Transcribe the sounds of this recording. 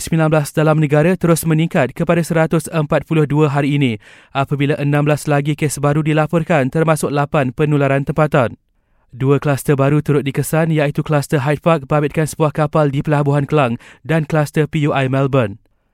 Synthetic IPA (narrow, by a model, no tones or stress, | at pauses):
səmilanblasdalamnə̃ɡaɾat̪əɾʊsmə̃nĩŋkat̪̚kəpadasəɾat̪ʊsəmpat̪̚pulʊhduəɦaɾiːnĩ | ʔapabilaʔənãmblaslaɡikesbaɾudilapɔrkant̪ərmãsʊk̚lapanpənulaɾant̪əmpat̪an | duəklast̪əbaɾut̪uɾʊt̪̚dikəsanjait̪uklast̪əɦajt̪̚pak̚bəabɪt̪̚kansəbuahkapaldipəlabuɦankəlaŋdanklast̪əpiuʔajmɛlbən